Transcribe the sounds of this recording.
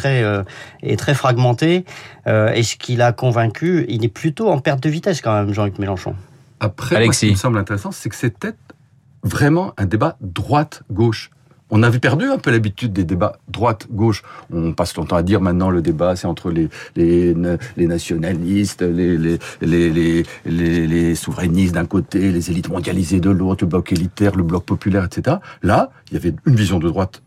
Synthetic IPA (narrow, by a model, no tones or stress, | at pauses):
t̪χɛøḛt̪χɛfχaɡmɑ̃t̪eøesə̥kʲʰilakɔ̃vɛ̃kʲʰyilɛplyt̪oɑ̃pɛʁt̪̚d̪əvit̪ɛskɑ̃mɛmʒɑ̃lykmelɑ̃ʃɔ̰̃ | apχɛalɛkssiiməsɑ̃blɛ̃t̪eʁɛsɑ̃sɛkə̥sɛt̪ɛ | vʁɛmɑ̃ʔɛ̃d̪ebad̪ʁwat̪ɡoʃ | ɔ̃navɛpɛʁd̪yɛ̃pølabit̪yd̪̚ːed̪ebad̪ʁwat̪ɡoʃɔ̃paslɔ̃t̪ɑ̃ad̪iʁmɛ̃t̪nɑ̃ləd̪ebasɛɑ̃t̪χəlelelenasjɔnalist̪lelelelelelesuvʁɛnist̪̚d̪ɛ̃kot̪elezelit̪mɔ̃d̪jalized̪əlot̪χləblɔkelit̪ɛʁləblɔk̚pɔpylɛʁɛt̪set̪eʁalailjavɛynvizjɔ̃d̪əd̪ʁwat̪